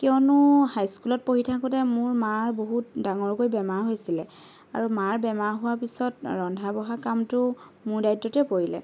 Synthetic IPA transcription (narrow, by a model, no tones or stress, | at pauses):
kɛɔnʊhajskulɔt̚poɦitʰakutɛmʊɹmaɹboɦut̚daŋɔɹkojbɛmaɹɦojsilɛ | a̰ɹumaɹbɛmaɹɦʊwaɹpisɔtɹɔndʱabɔɦakamtʊmʊɹdajtːɔtɛpoɹilɛ̰